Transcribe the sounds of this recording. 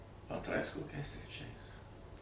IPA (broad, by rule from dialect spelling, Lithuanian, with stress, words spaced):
ɐntˈrɐɪs koːˈkʲɛɪs tʲrʲɛˈt͡ʃʲɛɪs